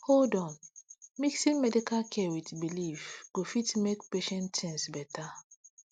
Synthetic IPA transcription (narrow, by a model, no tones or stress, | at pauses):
holdɔ̃nmiksĩnmɛdikalkʰɛwitbilifɡ̥ofitmekpeʃɛ̃ntɛ̃nsbɛtʰa